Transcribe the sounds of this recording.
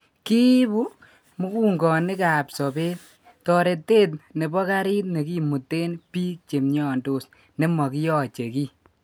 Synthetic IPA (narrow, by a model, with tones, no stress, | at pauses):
ki˦bu˦ | mu˦kuː˦ŋɡɔ˨nɪ˦ka˨psɔ˨beː˦t | tɔ˨ɾe˨tːe˦tne˨bɔ˦ka˦ɾi˦tne˨ki˦mu˨tːe˦npiː˦k̚t͡ʃe˨mɲɔː˦˨ndo˦˨s | ne˦mɔ˨ki˦jɔ˨t͡ʃe˨kiː˦